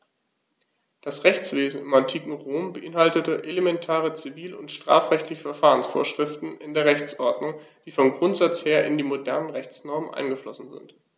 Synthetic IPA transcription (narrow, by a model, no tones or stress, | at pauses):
d̥asʁɛçt͡sv̥eːzn̩ɪmantʰiːkŋ̩ʁoːmbəʔɪnɦaltətəʔelemɛntʰaːʁ̞ət͡siviːlʊ̰ntʃtʁ̥a̰ːfʁ̥ɛçtlɪçəfɛɐfaːʁ̞ənsfo̰ːɐʃʁ̥ɪftn̩ɪndeːɐʁɛçt͡sʔɔɐdnʊŋd̥iːfɔnɡʁʊntz̥at͡sheːɐʔɪ̰ndiːmodɛɐnənʁɛçt͡snɔɐmənʔa̰ɪnɡəflɔsn̩zɪ̰nt